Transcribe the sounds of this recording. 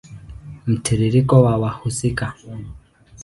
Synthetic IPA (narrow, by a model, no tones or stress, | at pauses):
m̩tʰiɾiɾikɔwawahusika